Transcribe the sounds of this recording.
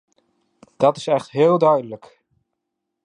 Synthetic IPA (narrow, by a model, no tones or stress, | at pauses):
d̥ɑtɪsɛχtɦɪːlˠdœɥdələk